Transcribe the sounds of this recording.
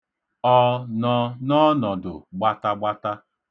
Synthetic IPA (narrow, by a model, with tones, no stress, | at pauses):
ɔ˦nɔ˦nɔ˦nɔ˨dʊ̰˨ɡ͡ba˦ta˦ɡ͡ba˦ta˦